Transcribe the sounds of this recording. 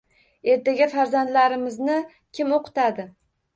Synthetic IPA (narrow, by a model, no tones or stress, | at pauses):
e̞ɾt̪aɡʲafaɾzand̪laɾɪmɪznɪ | kʲʰɪmoqʰɨ̥t̪ad̪ɪ